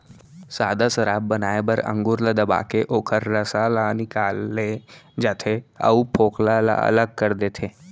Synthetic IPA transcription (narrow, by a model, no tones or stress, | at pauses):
saːd̪asɐɾaːbːɐnaːebəɾə̰̃ŋɡʊɾlad̪ɐba̰ːkeʔoːkʰəɾːəsalanɪkaːlːed͡ʒaːt̪ʰeə̰upʰoːklala̰ə̰ləɡ̚kəɾd̪eːt̪ʰeː